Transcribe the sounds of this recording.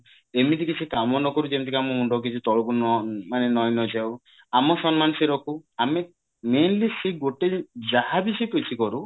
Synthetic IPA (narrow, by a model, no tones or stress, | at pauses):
emit̪ikit͡ʃʰikamɔnɔkɔɾud͡ʒemit̪ikamɔuɳɖɔk̬it͡ʃʰut̪ɔɭɔkunɔmanenɔjnɔd͡ʒaw | amɔsɔnmansiɾɔkuame | menlisiɡoʈed͡ʒaɦabisɔkut͡ʃʰikɔɾu